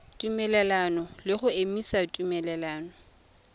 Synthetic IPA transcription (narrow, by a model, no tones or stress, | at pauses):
tʼumɛlɛlanɔlɪχʊemisatʼumɛlɛlaːnɔ